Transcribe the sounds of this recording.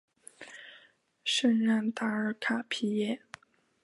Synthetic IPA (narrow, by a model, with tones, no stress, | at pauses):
ʂə˥˧nɻa˥˩nt̪a˧˥ə˞˨˩˥kʰa˨˩pʰi˧˥jɛ˥˩